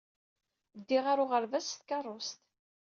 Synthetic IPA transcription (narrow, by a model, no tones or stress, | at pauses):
d̪ːiʁaɾʊʁəɾvæst̪kɑrˤːost̪